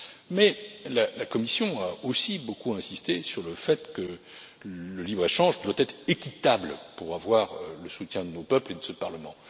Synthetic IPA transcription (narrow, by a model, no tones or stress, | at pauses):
mɛlalakɔmisjɔ̃aosibokuɛ̃sist̪esyʁləfɛt̪kə | ləlibʁeʃɑ̃ʒd̪wat̪ɛt̪χekʲit̪ablpuʁavwaʁləsut̪ʲjɛ̃d̪ənopœpled̪əsəpaʁləmɑ̃